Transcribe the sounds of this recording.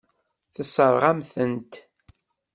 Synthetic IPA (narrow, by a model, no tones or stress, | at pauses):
θəsˤəɾˤʁamθənt̪